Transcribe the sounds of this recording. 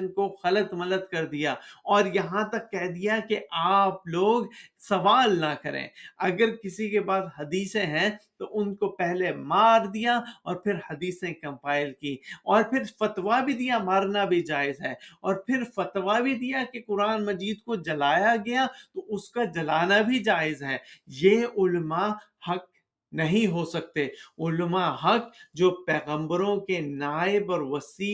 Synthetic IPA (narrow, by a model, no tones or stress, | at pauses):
nkoɣɐlət̪mɐd̪əd̪̚kɐɾd̪ijaɔːɾjɐɦãt̪ɐkːɛɦd̪ijakeʔaːploːɡsɐʋaːlnɐkɐɾḛ̃ːɐɡəɾkɪsikebaːd̪hɐd̪iːsẽɦɛ̃t̪oʔʊnkopɛɦlemaːɾd̪ijaɔːɾpʰɪɾhɐd̪iːsnẽkɐ̃mpaːɪlkiːɔːɾpʰɪɾfɐt̪ʋabʱid̪ijamaːɾnabʱid͡ʒaːɪzɦɛːɔːɾpʰɪɾfɐt̪ʋabʱid̪ijakekʊɾaːnmɐd͡ʒiːd̪kod͡ʒɐlaːjaɡɐjat̪oʊskad͡ʒɐlaːnabʱid͡ʒaːɪzɦɛːjeʊlmahɐk̚ | nɐɦĩɦosɐk̚t̪eʊlmaɦɐk̚d͡ʒoːpɛːɣə̃mbəɾõkenaːɪbɔːɾʋɐsiː